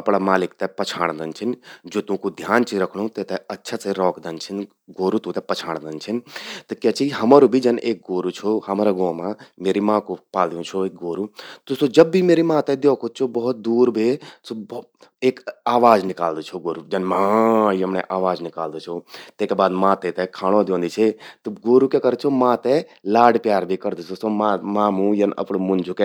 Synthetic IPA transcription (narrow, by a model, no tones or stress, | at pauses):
ɐpɽamaːlɪk̚t̪ɛpɐt͡ʃʰaːɽ̃d̪ɐnt͡ʃʰind͡ʒoːt̪ũkud̪ʱjaːnt͡ʃʰiɾɐkʰɽ̃ũt̪et̪ɛɐtːʃʰaseɾɔːkʰd̪ɐnt͡ʃʰin | ɡoːɾut̪ũt̪ɛpɐt͡ʃʰaːɽ̃d̪ɐnt͡ʃʰint̪ɐkjaːt͡ʃiiɦɐmaɾubʱid͡ʒɐnʔeːk̚ɡoːɾut͡ʃʰoɦɐmɾaɡõːmãmeːɾimãːkopaːld̪ijũt͡ʃʰoeːk̚ɡoːɾut̪osod͡ʒɐbːimeːɾimãːt̪ɛd̪joːkʰot̪̚t͡ʃʰobɐɦʊt̪̚d̪uːɾbʱesob | eːkaːʋaːd͡ʒnɪkaːld̪ot͡ʃʰoɡoːɾud͡ʒɐnmãːəmneʔaːʋaːd͡ʒnɪkaːld̪ot͡ʃʰot̪eːkebaːd̪mãːt̪ẽt̪ɛkʰaːɽ̃od̪jõːnd̪it͡ʃʰet̪uɡoːɾukekəɾd̪̚t͡ʃʰomãːt̪ɛ̃laːɽpjaːɾbʱikɐɾd̪sosomãmãːmũjɐnɐ̰pɽmʊnd͡ʒʱuke